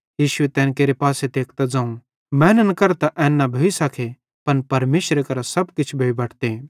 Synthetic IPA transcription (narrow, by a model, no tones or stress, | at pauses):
jiːʃʊet̪ɛ̃ːnkeːɾepaːsed̪eːkʰt̪ad͡zãːũ | mɛ̃ːnənkɐɾt̪aʔɛ̃ːnːabʱoːisɐkʰe | pɐnpɐɾmeːʃɾekɐɾasɐbkɪt͡ʃʰbʱeːibɐʈʰt̪e